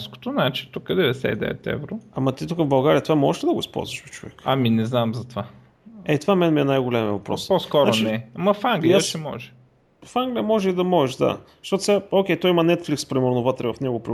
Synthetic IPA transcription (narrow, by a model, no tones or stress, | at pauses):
sko̥t̪onat͡ʃi̥t̪ukəd̪ɛvɛsɛ̰id̪ɛ̰vɛ̰t̪ɛ̰vɾoɐmɐt̪it̪ukəvbɐlˠɡaɾiət̪ovamɔʒɛʃlɛd̪ɐɡʊispɔ̰lˠzvɐʃpit͡ʃovɛ̰kaminɛznamzɐt̪va | ɛt̪ovamɛnmiɛnajɡʊlɛmiəvɐpɾɔ̰sposkɔɾaot͡ʃniɛamɐfaŋɡliaəsʃɛmɔ̰ʒɛ | faŋɡlʲijəmɔʒɛid̪ɐmɔʒɛʃd̪a̰ | ʃt̪ɔt̪ʊ̥sɛaokʲɛjt̪ɔjimɐnɛt̪flikspɾimɛɾnʊvət̪ɾɛvɐfnɛɡʊpɾi